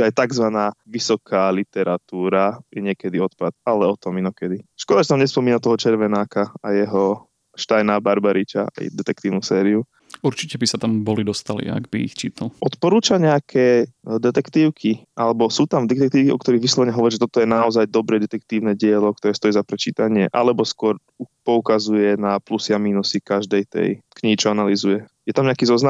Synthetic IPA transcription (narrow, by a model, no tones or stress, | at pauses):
ajt̪aɡzʋanaːʋisɔkʰaːlit̪ɛɾat̪uːɾajɛɲɪɛkɛd̪iɔt̪pat̪alɛɔt̪ɔminɔkɛd̪iʃkɔɾat͡ʃɛnamɲɛspɔmiːnat̪ɔɦɔt͡ʃɛɾʋɛnaːkaajɛɦɔ | ʃt̪ajnaːbaɾbaɾit͡ʃaa̰j̰d̪ɛt̪ɛk̚t̪iːʊnusɛːɾiu | uɾt͡ʃicɛbisat̪ambɔlid̪ɔst̪alḭa̰ɡbiḭxt͡ʃiːt̪ʰalʔɔt̪pɔɾuːt͡ʃaɲɛakʰɛːd̪ɛt̪ɛkt̪iːʊkʰiʔalɛbɔsuːt̪amd̪ɛkt̪ɛk̚t̪iːʊkiɔkt̪ɔɾiɣʋislˠɔʋɛɲɛɦɔʋɔɾiːʒɛt̪ɔt̪ɔjɛnaɔzajd̪ɔbɾɛd̪ɛt̪ɛk̚t̪iːʊnɛɟɪɛlɔk̚t̪ɔɾɛːst̪ɔjizapɾɛt͡ʃiːt̪aɲɪɛʔa̰lɛbɔskʊɔɾ | upɔukazujɛnaplusɪamiːnusikaʒd̪ɛjt̪ɛ̰jkɲiɦit͡ʃɔanalizujɛjɛt̪amɲɛakiːzɔznam